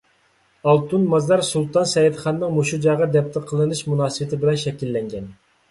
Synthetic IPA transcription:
ɑlˠt̪ʰunmɑzɑɾsulˠt̪ɑnsɛjid̪χɑnːɨŋmoʃud͡ʒɑːʁɑd̪ɛpt̪ʰəqʰəlˠɨnɨʃmunɑːsɨwɪt̪ʰɪbɪlɛnʃɛkʲilːɛŋɡʲɛn

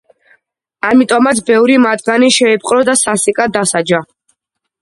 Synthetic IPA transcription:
amit̪ʼɔmat̪sʰbɛvɾimad̪ɡaniʃɛːpʼqʼɾɔd̪asasikʼad̪asad͡ʒa

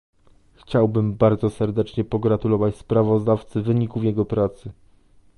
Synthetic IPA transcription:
xt͡ɕawbɘmbaɾd̪zɔsɛɾd̪ɛt͡ʂɲɛpɔɡɾat̪ulɔvat͡ɕspɾavɔzd̪aft̪sɘvɘɲikuvjɛɡɔpɾat̪sɘ

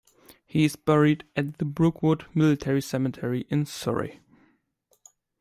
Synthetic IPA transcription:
hiɨzbɛɹidɨt̪̚ðəbɹʊkʰwʊdmɪlɨtʰɛɹisɛmɨtʰɛɹiʔɪ̃nsɔ̰ɹḭ

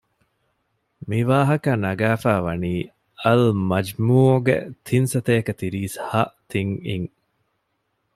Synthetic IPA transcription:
miʋaːɦɐkɐnɐɡæːfæːʋɐniː | ɐlmɐd͡ʒmuːɡḛt̪ʰinsɐt̪eːkɐt̪iɾiːshɐʔt̪iŋiŋ

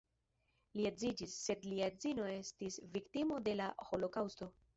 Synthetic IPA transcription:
liezid͡ʒisːe̞dliazino̞e̞stisviktimo̞de̞laho̞lo̞kawsto̞

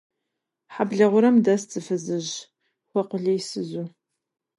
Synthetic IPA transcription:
ħabɮɐʁʷʊɾɐmdɐst͡sʼɨfɨzɨʑ | xʷɔqʷʊɮejsɨzu

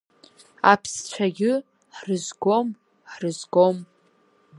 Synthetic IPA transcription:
apʰst͡ɕʷʰaɡʲɪ | ħrɨzɡo̞m | ħrɨzɡo̞m

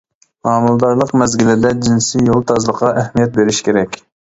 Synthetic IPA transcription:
mɑːmulˠd̪ɑɾlˠəqmɛzɡʲilɪd̪ɛd͡ʒinsijolˠt̪ʰɑzlˠəqʰːɑʔæhmijɛt̪̚beɾɪʃkʲʰeɾɛkʲ

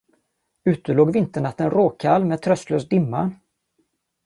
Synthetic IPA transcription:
ʉ̟ːt̪əɭoːɡvɪnt̪əɳat̪ːənɾoːkʰalmɛːd̪̚t̪ʰɾœst̪løːsd̪ɪmːa

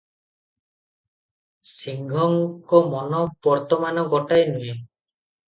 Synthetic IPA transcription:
siŋɡʱɔŋkɔmɔnɔb̥ɔɾt̪ɔmanɔɡɔʈajnue

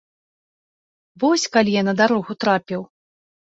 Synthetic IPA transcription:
vɔsʲkalʲijanɐd̪aɾɔɣut̪ɾapʲɛw

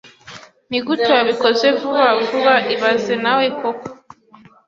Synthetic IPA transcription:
niɡutoaβikozevuβavuβaʔiβazenawekoko̥

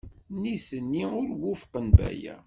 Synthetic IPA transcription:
niθənːiʊɾwʊfqənbæ̰jæ̰

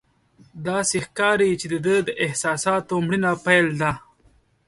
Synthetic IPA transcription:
d̪ɑːsexkɑːɾit͡ʃed̪əd̪əd̪əʔɪhsɑːsɑːt̪omɽinapajld̪a

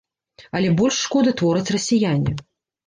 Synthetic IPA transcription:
ɐlʲɛbɔlʲʂːkɔd̪ɨt̪vɔɾɨt͡sʲrɐsʲijanʲi

